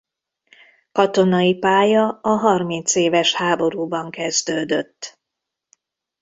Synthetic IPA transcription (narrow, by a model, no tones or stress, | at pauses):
kɒt̪o̞nɒipaːjɒɒɦɒrmint̪seːvɛʃhaːbo̞ɾuːbɒŋkɛzd̪øːd̪øt̪ː